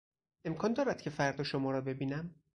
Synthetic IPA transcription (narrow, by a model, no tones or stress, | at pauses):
e̞mkʰɒːnd̪ɒːɾæd̪̥cʰe̞fæɾd̪ɒːʃomɒːɾɒːbe̞biːnæm